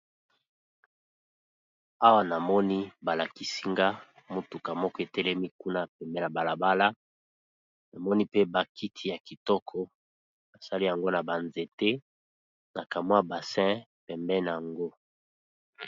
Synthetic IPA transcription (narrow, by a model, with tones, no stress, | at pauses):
a˦wa˨na˨mɔ˦ni˦ba˨la˨ki˨si˦ŋɡa˦ | mo˨tu˨ka˨mɔ˦kɔ˦e˨tɛ˦lɛ˦mi˦ku˦na˦˨pɛ˨mbɛ˦na˨ba˨la˨ba˦la˦ | na˨mɔ˦ni˦pe˦ba˨ki˦tʰi˨ja˨ki˨tɔ˦kʰɔ˦ | na˨sa˦li˦ja˨ŋɡo˦na˨ba˨nze˨te˦ | na˨ka˨mwa˦ba˨sɛ̃˦pɛ˨mbɛ˦na˨ja˨ŋɡo˦